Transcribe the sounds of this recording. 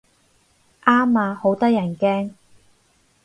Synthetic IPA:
ʔaː˥maː˨˧ho˨˥wt̪ɐ˥jɐ˨˩nkɛː˥ŋ

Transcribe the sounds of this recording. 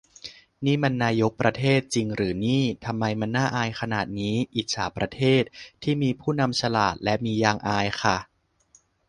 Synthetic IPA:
niː˥˩ma˧nːaː˧jo˦˥k̚pɾa˧t̪ʰeː˥˩t̪̚t͡ɕi˧ŋɾɯː˩˦niː˥˩t̪ʰa˧mːa˧jma˧nːaː˥˩ʔaː˧jxʰa˧naː˨˩t̪̚niː˦˥ʔiː˨˩t̪̚saː˩˦pɾa˧t̪ʰeː˥˩t̪̚ʰːiː˥˩miː˧pʰuː˥˩na˧mt͡ɕʰa˧la̰ː˨˩t̪̚lɛ˦˥miː˧jaː˧ŋʔaː˧jxʰa˥˩

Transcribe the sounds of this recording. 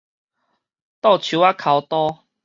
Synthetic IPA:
t̪ɔ˥˧˨t͡ɕʰu˨˦a˦kʰa˨˦wt̪ɔ˦

